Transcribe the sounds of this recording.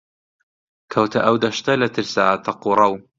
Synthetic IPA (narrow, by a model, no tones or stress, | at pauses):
kʰɐwt̪ʰɐ̰ʔɐwd̪ɐʃt̪ɐlɐt̪ʰɨɾsat̪ʰɐquɾˤɐw